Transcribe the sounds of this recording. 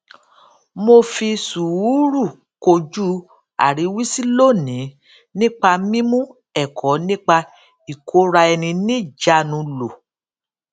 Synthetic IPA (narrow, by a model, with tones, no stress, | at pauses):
mo˧fi˧su˨u˦ɾu˦˨ | ko˧d͡ʒu˦ | a̰˨ɾi˨˦wi˦si˦lo˦˨nĩ˨˦ | nĩ˦k͡pa˧mĩ˦mũ˦ | ɛ˦˨kʰɔ˨˦nĩ˦k͡pa˧ | i˨kʰo˨˦ɾa˧ɛ˧nĩ˧nĩ˦˨d͡ʒa˧˨nũ˧lo˨